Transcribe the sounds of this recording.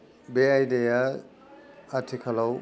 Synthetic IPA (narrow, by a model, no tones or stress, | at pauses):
beajdeja | tʰikʰalaw